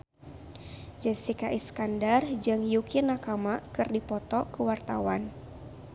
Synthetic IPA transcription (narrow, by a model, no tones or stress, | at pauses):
d͡ʒɛsikaʔiskandard͡ʒɨŋjukinakamakɨrdipɔt̪ɔkəwart̪awan